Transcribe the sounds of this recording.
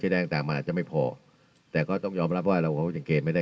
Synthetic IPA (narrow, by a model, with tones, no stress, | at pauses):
t͡ɕʰjda˥˩t̪a˨ŋt̪aː˨˩ŋma˧ʔa˨˩t͡ɕa˨˩ma˥˩pʰɔː˨˩ | t̪ɛː˨˩kɔː˥˩t̪ɔ˥˩ŋjɔː˧mɾa˦˥p̚waː˥˩ɾa˧wkʰːja˨˩ŋkeː˧nma˥˩da˥˩